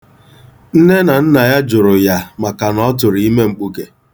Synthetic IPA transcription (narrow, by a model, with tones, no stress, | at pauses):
n̩˦ne˦na˨n̩˦na˨ja˦d͡ʒʊ˨ɾʊ˨ja˨ma˨ka˨nɔ˦t̬ʊ˨ɾi˦me˦ŋ͡m̩˨k͡pu˦ke˨